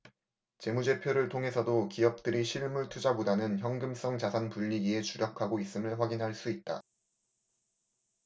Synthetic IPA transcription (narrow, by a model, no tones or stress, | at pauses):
t͡ɕe̞mud͡ʑe̞pʰjoɾɯɭtʰoŋɦe̞sʰʌdokijʌp̚t͈ɯɾiɕʰiɭmuɭtʰud͡ʑabodanɯnçjʌŋɡɯms͈ʌŋt͡ɕasʰanpuʎːiɡie̞t͡ɕuɾjʌkʰaɡois͈ɯmɯɭɸwaɡinɦaɭs͈uit̚t͈a̰